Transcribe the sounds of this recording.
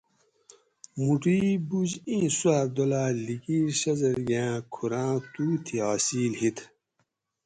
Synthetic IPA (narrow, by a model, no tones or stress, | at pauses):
muʈiːbud͡ʑĩːswaːɾd̪olaːlikiːɾɕɐzɐɾɡãːkʰuɾãːt̪uːt̪ʰiaːsiːlhit̪ʰ